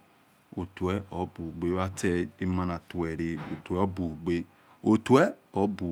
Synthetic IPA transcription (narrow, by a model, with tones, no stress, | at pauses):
o˨tu˨ɛ˦ɔ˨˦bu˨ɡ͡be˦wa˦tɛ˦i˦ma˧na˨tu˨ɛ˨ɾe˨o˨tɛ˦ɔ˦bu˨ɡ͡be˦ | o˨tu˨˦ɛ˦ɔ˨˦bu˨